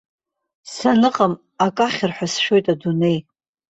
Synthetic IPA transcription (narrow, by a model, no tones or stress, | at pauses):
sanɨqʼam | akʼaχʲɪrħʷᶣasʃo̞jtʼadune̞j